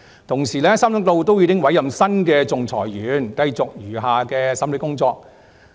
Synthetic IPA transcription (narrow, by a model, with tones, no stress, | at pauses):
t̪ʰʊ˨˩ŋsiː˨˩lɛː˥sɐ˥mlɪ˧˥k̚lo˧wt̪o˥wjiː˧˥kɪ˥ŋwɐ˨˥jɐ˨msɐ˥nkɛː˧t͡sʊ˨ŋt͡sʰɔː˨˩jjyː˨˧˥nkɐ˧jt͡sʊ˨k̚jyː˨˩ɦaː˨˧kɛː˧sɐ˥mle˨˧kʊ˥ŋt͡sɔː˧k̚